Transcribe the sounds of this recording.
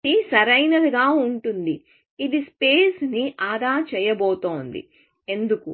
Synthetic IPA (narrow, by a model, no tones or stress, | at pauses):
isɐɾɐjnɐd̪uɡaːuɳʈund̪i | id̪ispeːsniʔaːd̪aːɾt͡ʃɛːjɐboːt̪oːnd̪ḭ | e̞nd̪uku